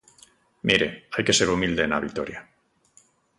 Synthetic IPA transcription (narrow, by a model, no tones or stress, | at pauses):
miɾe̞ajke̞seɾumild̪e̞ːna̰βik̚t̪oɾja